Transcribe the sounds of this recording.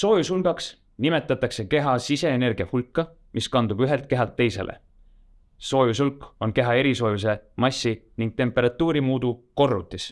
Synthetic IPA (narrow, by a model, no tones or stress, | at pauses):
so̞ːjusulɡɑks | nime̞t̪ːˑɑt̪ːˑɑkse̞ke̞ɦɑsise̞ːne̞rɡ̥iɑhulkːɑ | miskɑnd̪̥ub̥yɦe̞lt̪̚ke̞ɦɑlt̪ːe̞jse̞̰lʔḛ | so̞ːjusulkːo̞nke̞ɦɑe̞ɾiso̞ːjus̬e̞mɑsʲːiniŋɡ̥̚t̪e̞mpːˑe̞ɾɑt̪ːˑuːɾimuːd̪̥uko̞rːut̪ːˑis